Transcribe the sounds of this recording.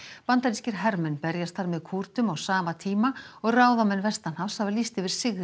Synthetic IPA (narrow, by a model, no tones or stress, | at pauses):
pant̪aɾiscɪɾ̥ɦɛɾmɛnpɛɾjast̪ʰaɾmɛðkʰuɾt̪ʏmawsaːmat̪ʰiːmaɔɣraːwðamɛnvɛst̪anhafshavalist̪ɪvɪɾ̥sɪɣð